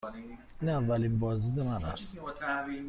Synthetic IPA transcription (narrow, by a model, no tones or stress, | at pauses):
nɛavalimbɔzidɛmaɾa̰s